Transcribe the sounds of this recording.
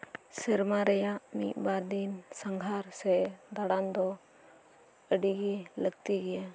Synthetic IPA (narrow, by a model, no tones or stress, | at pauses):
sɛɾmaɾɛjaʔmiʔ̪̚baɾd̪insəŋɡʱaɾsɛd̪aɽand̪ɔ | əɖiɡilək̚t̪iɡɛja